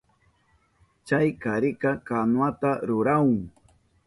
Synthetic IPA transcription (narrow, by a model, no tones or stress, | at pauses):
t͡ʃajkaɾɪkɑkanwat̪aɾʊɾawʊŋ